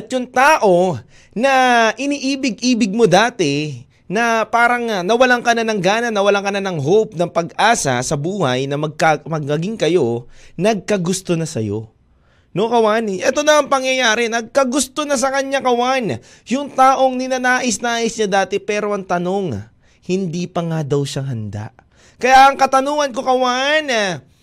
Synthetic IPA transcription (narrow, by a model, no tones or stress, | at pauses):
ɐt̪̚jʊŋt̪aːʔo̞ | nɐʔɪniːʔiːbɪɡ̚ʔiːbɪɡ̚mo̞d̪aːt̪ɛ | nɐpaːɾɐŋnɐwɐlaŋkɐnanɐŋɡaːnɐnɐwɐlaŋkɐnanɐŋɦop̚nɐŋpɐɡʔaːsɐ̰sɐbuːhɐ̰jnɐmɐɡ̚kamɐɡ̚mɐɡiŋkɐjo̞nɐɡ̚kɐɡʊst̪o̞nɐsɐ̰jo̰ | nokɐwanʔɛt̪o̞nɐʔɐŋpɐŋjɐjaːɾɛnɐɡ̚kɐɡʊst̪o̞nɐs̬ɐkɐɲːakɐwan | jʊŋt̪aːʔo̞ŋnɪnɐnaːʔɪsnaːʔɪsɲɐd̪aːt̪ɛpɛːɾo̞ʔɐŋt̪ɐno̞ŋ | hɪnd̪iːpɐŋad̪ɐwʃaŋhɐnd̪a̰ʔ | kɐjaʔɐŋkɐt̪ɐnoːŋɐnko̞kɐwan